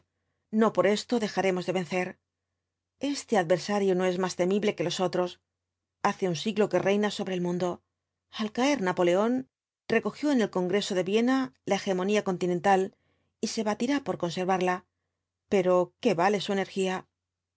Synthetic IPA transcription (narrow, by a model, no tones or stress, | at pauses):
no̞po̞ɾe̞st̪o̞ðe̞xaɾe̞mo̞zðee̞nθe̞ɾ | e̞st̪e̞að̚βe̞ɾsaɾjono̞e̞zmast̪e̞miβle̞ke̞lo̞so̞t̪ɾo̞s | aθe̞unsiɣlo̞ke̞rʔe̞jnaso̞βɾe̞ːlmũnd̪o̞ | alkae̞ɾnapo̞le̞o̞n | re̞ko̞xjo̞ene̞lko̞ŋɡɾe̞so̞ðe̞βje̞nalae̞xe̞mo̞niako̞nt̪inent̪al | ise̞βat̪iɾapo̞ɾko̞nse̞ɾβaɾla | pe̞ɾo̞ke̞βale̞sue̞ne̞ɾxia